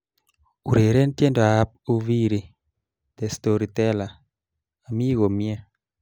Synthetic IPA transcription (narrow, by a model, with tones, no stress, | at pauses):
u˨ɾe˨ɾe˦ntje˦ndɔ˨a˨a˦p̚u˦vi˦ɾi˨ | d̪̥ɛ˨st̪o˨ɾi˨t̪ɛ˦la˨ | a˨mi˦ɡo˨mjɛ˦